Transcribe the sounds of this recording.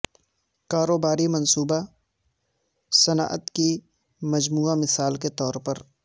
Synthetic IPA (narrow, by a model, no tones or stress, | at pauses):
kaːɾoːbaːɾimɐ̃nsuːba | sɐna̰ːʔət̪ki | mɐd͡ʒmuːamɪsaːlket̪ɔːɾpɐɾ